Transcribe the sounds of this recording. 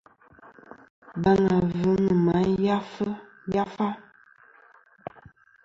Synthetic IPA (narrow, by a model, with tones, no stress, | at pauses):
ba˨ŋa˨vʉ˨˦nə˨ma˨˦ja˦fə˦ | ja˦fa˦